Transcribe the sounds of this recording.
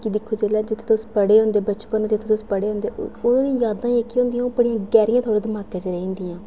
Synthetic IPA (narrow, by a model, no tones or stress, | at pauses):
kid̪ɪkʰːoːd͡ʒeːlɛːd͡ʒɪt̪ʰe̥ːt̪ʊspəɽeːɦõːnd̪eːbət͡ʃpənoːd͡ʒɪt̪ʰeːt̪ʊspəɽeːɦõːnd̪eːʔoːĩːjaːd̪ãːiekːiõːnd̪ijãːoːpəɽijãːɡɛːɾijãt̪ʰoːɽeːd̪əmaːkẽːt͡ʃeɾəĩːnd̪iːãː